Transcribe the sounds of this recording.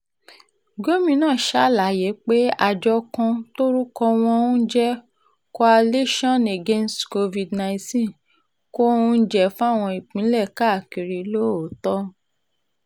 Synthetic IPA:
ɡo˦mĩ˧nãː˦˨ʃa˦˨la˨˦je˨˦k͡pe˦a˧d͡ʒɔ˧kã˧to˦ɾu˦kɔ˧w̃ɔ̃˧ũ˦d͡ʒɛ˦ | ko˧a˧le˦ʃɔ̃˦˨ne˨ɡe˦nstko˧vi˧dnã˧ĩ˧tĩ˦˨ | ko˦ũ˦d͡ʒɛ˦˨fũ˦a˦˨w̃ɔ̃˧i˨k͡pĩ˨˦lɛ˦˨ka˦˨ki˨ɾi˧lo˦o˨tɔ˦

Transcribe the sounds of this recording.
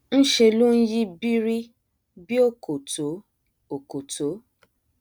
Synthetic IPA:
n̩˦ʃe˧lu˦n̩˦ji˦bi˦ɾi˦ | bi˦o˦˨ko˨to˨˦ | o˨ko˨to˨˦

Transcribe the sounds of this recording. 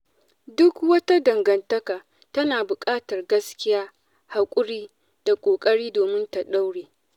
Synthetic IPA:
dʊ˦kwɐ˦ta˦dɐ˨ŋɡɐ˨ntɐ˦kaː˨ | tɐ˦naː˨bʊ˨kʼaː˦tɐ˨rɡɐ˦skʲɪ˦jaː˦ | ha˨kʷʼʊ˦ɽiː˦ | d̥a˨kʷʼoː˨kʼɐ˦ɽiː˦doː˨mɪ˦nta˨ɗa˦wɽeː˨

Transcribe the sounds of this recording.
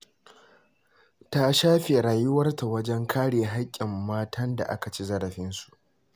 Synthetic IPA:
ta˦ʃaː˦ɸe˨ɾaː˨jʊ˦wɐ˦rta˨wɐ˦d͡ʒɛ˦ŋkʰaː˦ɽeː˨ɦa˦kʲʼːɪ˨mːaː˦tʰɐ˦nda̰˨ʔa˦ka˨t͡ʃi˦zɐ˦ɽɐ˨ɸɪ˦nsu̥˨ʔ

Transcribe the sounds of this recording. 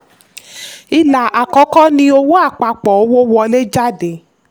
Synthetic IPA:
i˧la˨a˨kɔ˨˦kɔ˦nĩ˧˦o˧wo˦a˦˨k͡pa˨˧k͡pɔ˨o˦wo˦wɔ˧le˦d͡ʒa˦˨de˨

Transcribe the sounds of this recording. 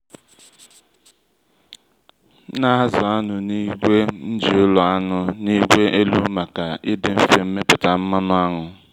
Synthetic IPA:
na˦a˦zɔ˨a˦nʊ˨ni˦ɡʷe˦n̩˦d͡ʒi˨ʊ˦lɔ˨a˦nʊ˨ni˦ɡʷe˦ʔe˦lu˦ma˨ka˨ɪ˦dɪ˨m̩˦fe˨m̩˦me˦pʊ˨ta˨m̩˦ma˦nʊ˦a˦ɦʊ˨

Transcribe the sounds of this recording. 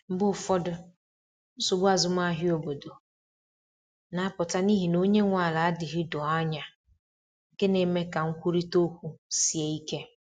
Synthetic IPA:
m̩˦bʊ˦˨fɔ˦dʊ˦ | n̩˦sʊ˨ɡ͡ba˨zʊ˦m˦a˦ɦɪ˦o˦bo˨do˨ | na˨˦a˦pʊ˨ta˦ni˦ɦi˨no˦ɲe˦ŋʷa˨la˨a˦dɪ˨ɦɪ˦dɔ˨a˦ɲa˨ | ŋ̩˨ke˦ne˨me˦ka˨ŋ̩˦kʷu˦ɾi˦to˦kʷu˦si˨e˨i˦ke˦

